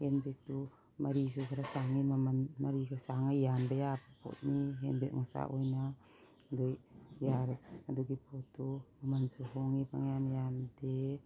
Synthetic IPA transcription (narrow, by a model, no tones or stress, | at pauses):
henbetu | maɾis̬ukʰaɾasaŋimamanmaɾikʰasaŋajjanbajapapʰɔ̰t̪̚niɦenbeʔ̚ŋɔsa̰ʔojna | adujjaɾaduɡipʰɔtːumamansuɦɔŋipaŋjamjande